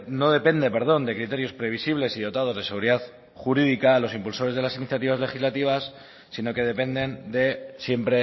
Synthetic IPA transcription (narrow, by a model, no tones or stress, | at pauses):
no̞ð̞e̞pe̞nd̪e̞pe̞ɾð̞o̞nd̪e̞kɾit̪e̞ɾjo̞spɾe̞β̞isiβ̞le̞siðo̞t̪að̞o̞zðeeɣuɾiðað | xuɾiðikalo̞simpulso̞ɾe̞zð̞e̞lasiniθjat̪iβ̞azle̞xizlat̪iβ̞asː | ino̞ke̞ð̞e̞pe̞nd̪e̞nd̪e̞sje̞mpɾe